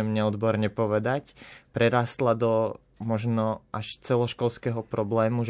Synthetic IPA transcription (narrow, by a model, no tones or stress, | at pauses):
ɛmɲɛɔd̪bɔɾɲɛpɔʋɛd̪acpɾɛɾaːst̪lad̪ɔ | mɔʒnɔʔaʃt͡sɛlɔʃkɔlskɛɦɔpɾɔblɛːmuʒ